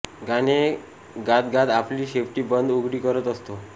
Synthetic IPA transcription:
ɡane | ɡat̪ɡat̪apliːɕefʈiːbənd̪uɡɽiːkəɾət̪əst̪o

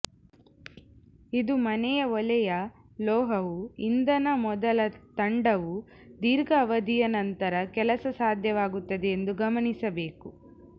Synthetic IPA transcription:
id̪umɐnɛjɐɔlɛjɐ | lɔːɦɐʋuind̪ɐnɐmɔd̪ɐlɐt̪ɐɳɖɐʋu | d̪iːɾɡɐːʋɐd̪ijɐnɐnt̪ɐɾɐkɛlɐsɐsaːd̪ʱjɐʋaːɡut̪ːɐd̪eend̪uɡɐmɐɳisɐbe̞ːku

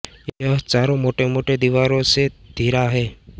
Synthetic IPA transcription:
jeəɦt͡ʃaːɾõmoːʈemoːʈed̪iʋaːɾõsed̪ʱiːɾaɦɛː

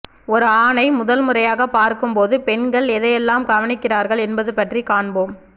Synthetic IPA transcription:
ɔɾɯaːnɐɪmʊðɐlmɯrɐjaːɣɐpaːɾkɯmpoːðɯpɛnɡɐɭɛðɐjɛlːaːmɡɐʋɐnɪkːɪraːɾɣɐɭɛnbɐðɯpɐʈrikaːɳboːm

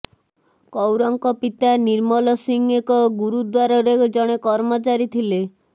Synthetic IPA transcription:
kɔwɾɔŋkɔpit̪aniɾmɔlɔsiŋekɔɡuɾud̪waɾɔɾed͡ʒɔɽ̃ekɔɾmɔt͡ʃaɾit̪ʰile

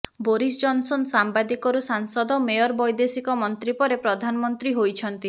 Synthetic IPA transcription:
boɾisd͡ʒɔnsɔnsambad̪ikɔɾusaŋsɔd̪ɔmejɔɾbɔjd̪esikɔmɔnt̪ɾipɔɾepɾɔd̪ʱanɔmɔnt̪ɾiɦojt͡ʃʰɔnt̪i

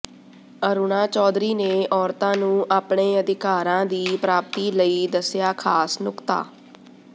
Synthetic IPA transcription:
əɾunaːt͡ʃɔːd̪ɾiːneːʔɔːɾt̪ãːnũːʔaːpɳeːəd̪ʱɪkaːɾãːd̪iːpɾaːp̚t̪iːləiːd̪əsjaːkʰaːsnʊkt̪a̰ː

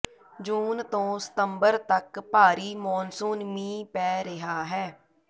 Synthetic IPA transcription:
d͡ʒuːnt̪õːsə̥t̪əmbəɾt̪əkpaːɾiːmɔːnsuːnmĩːpɛːɾɪɦaːɦɛː

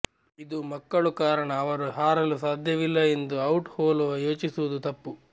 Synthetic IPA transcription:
id̪umɐkːɐɭukaːɾɐɳɐːʋɐɾuɦaːɾɐlusaːd̪ʱjɐʋilːɐend̪uɐwʈhoːloːjoːt͡ʃisuʋud̪ut̪ɐpːu

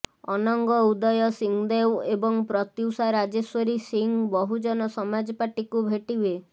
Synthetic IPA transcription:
ɔnɔŋɡɔud̪ɔjɔsiŋd̪ewebɔŋpɾɔt̪iwsaɾad͡ʒeswɔɾisiŋbɔɦud͡ʒɔnɔsɔmad͡ʒɔpaʈikubʱeʈibe

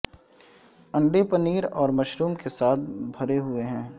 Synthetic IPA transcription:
ɐ̃ɳɖepɐniːɾɔːɾmɐʃɾuːmkesaːt̪̚ʰbʱɐɾeɦʊeɦɛ̃ː

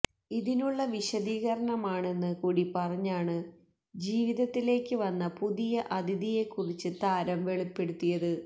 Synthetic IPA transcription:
iðinuɭːɐʋiɕɐðiːɣɐɾɐɳɐmaːɳe̞nːɨkuːɽipɐrɐɲːaːɳɨ | d͡ʑiːʋiðɐt̪ːile̞ːkːɨʋɐnːɐpuðijɐʔɐd̪iðije̞kːurit͡ɕːɨt̪aːɾɐmʋe̞ɭipːe̞ɽut̪ːijɐðɨ

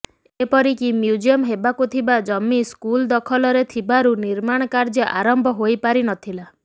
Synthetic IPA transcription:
epɔɾikimjud͡ʒiɔmɦebakut̪ʰibad͡ʒɔmːiskuld̪ɔkʰɔlɔɾet̪ʰibaɾuniɾmaɽ̃ɔkaɾd͡ʒɔʔaɾɔmbʱɔɦojpaɾinɔt̪ʰila

